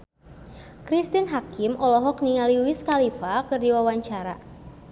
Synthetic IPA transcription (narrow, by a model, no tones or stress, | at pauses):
kɾist̪inɦakimʔɔlɔɦɔk̚niŋaliwiskalifakɨrdiwawaɲt͡ʃaɾa̰